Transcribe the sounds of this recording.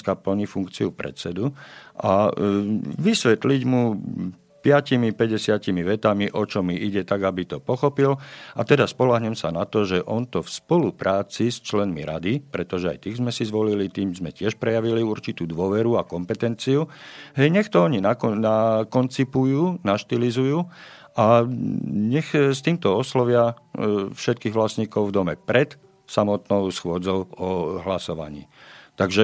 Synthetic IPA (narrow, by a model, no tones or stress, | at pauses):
kapl̩ɲifuŋkt͡siupɾɛ̰t̪t͡sɛd̪uʔa | ʋisʋɛt̪liɟmu | pɪacimipɛɟɛsɪacimiʋɛt̪amiʔɔt͡ʃɔmiʔiɟɛt̪aɡabit̪ɔpɔxɔpilat̪ɛd̪aspɔlaɦɲɛmsanat̪ɔʒɛʔɔnt̪ɔfspɔlupɾaːt͡sist͡ʃlɛnmiɾad̪ipɾɛt̪ɔʒɛa̰jt̪iːɣzmɛsizʋɔlilit̪iːmzmɛcɪɛʃpɾɛjaʋiliuɾt͡ʃit̪uːd̪ʊɔʋɛɾuakɔmpɛt̪ɛnt͡siuɦɛjɲɛxt̪ɔɔɲinanakɔnt͡sipujuːnaʃt̪ilizujuː | ʔa | ɲɛxst̪iːmt̪ɔɔslɔʋɪa | fʃɛt̪̚kiːɣʋlasɲiːkɔʊvd̪ɔmɛpɾɛt̪ | samɔt̪nɔʊsxʊɔd͡zɔʊɔɦlasɔʋa̰ɲḭːt̪aɡʒɛ